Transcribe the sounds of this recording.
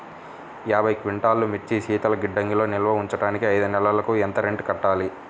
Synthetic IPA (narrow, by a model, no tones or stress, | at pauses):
jaːbʱɐjkʋiɳʈaːlːumet͡ʃːiʃiːt̪ɐlɐɡiɖːɐŋɡilo̞ːnilʋɐuɲt͡ʃɐɽaːnikiɐjd̪unɛlɐlɐkuɛnt̪ɐɾeɳɖkɐʈːaːli